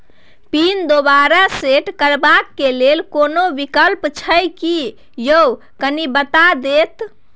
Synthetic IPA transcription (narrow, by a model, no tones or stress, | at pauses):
pind̪oβaɾaseʈkəɾbakːelelkonobikəlpt͡ʃʰəjki | jəw | kənibət̪ad̪et̪